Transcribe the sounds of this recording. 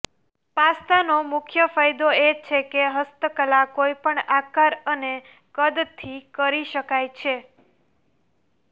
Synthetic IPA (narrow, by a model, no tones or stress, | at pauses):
past̪anomʊkʰjəfajd̪oet͡ʃʰekeɦəst̪əkəlakojpəɳakaɾəne | kəd̪t̪ʰikəɾiʃəkajt͡ʃʰe